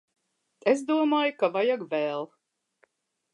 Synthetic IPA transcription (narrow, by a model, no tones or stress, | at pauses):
ezd̪uɔmaːjukavajaɡvɛːlˠ